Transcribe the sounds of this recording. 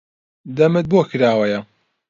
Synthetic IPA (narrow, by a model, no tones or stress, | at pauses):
d̪ɐmɨt̪̚boːkʰɨɾaːwɐjɐ